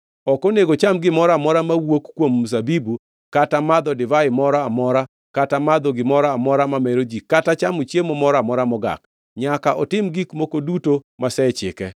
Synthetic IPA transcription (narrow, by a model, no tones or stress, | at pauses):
ɔkɔneɡot͡ʃamɡɪmɔɾamɔɾamawokkːwomːsabibu | katamad̪ɔdɪvaɪmɔɾaːmɔɾa | katamad̪ɔɡɪmɔɾaːmɔɾamamɛɾod͡ʒikatat͡ʃamut͡ʃjemɔmɔɾamɔɾamɔɡa̰k | ɲakaʔɔtɪmɡikmokodutomasɛt͡ʃɪ̰kɛ